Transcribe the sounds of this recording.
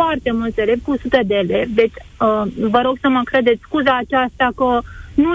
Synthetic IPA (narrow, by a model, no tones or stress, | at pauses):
ɔɾt̪emut͡s̪elepusut̪ed̪eled̪et͡s | bəɾoksəməkʰɾəd̪et͡skud͡zaːt͡ɕaəst̪akənu